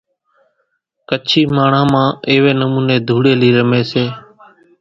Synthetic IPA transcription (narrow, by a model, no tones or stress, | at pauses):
kət͡ʃʰiːmaːɳ̤ãːmãːeːʋeːnəmuːneːd̪ʱuːɽeːliːɾəmeːseː